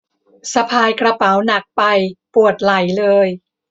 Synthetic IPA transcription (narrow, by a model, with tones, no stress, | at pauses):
sa˧pʰaː˧jkɾa˧pa˩˦wna˨˩k̚pa˧jpu˨˩ət̪̚la˩˦jlɤː˧j